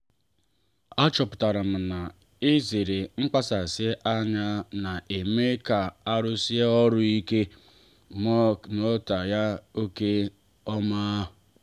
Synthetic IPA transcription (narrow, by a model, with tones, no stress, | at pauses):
a˦t͡ʃɔ˨pʊ̥˨ta˨ɾa˨m̩˨na˨ | ɪ˦ze˨ɾe˨ŋ͡m̩˦k͡pa˦sa˨sɪ˦ʔa˦ɲa˦na˨ʔe˨me˦ka˨a˦ɾʊ˦si˦ɔ˦ɾʊ˦i˦ke˦ | m˦no˦ta˨ja˦o˦ke˦ | ɔ˦maː˦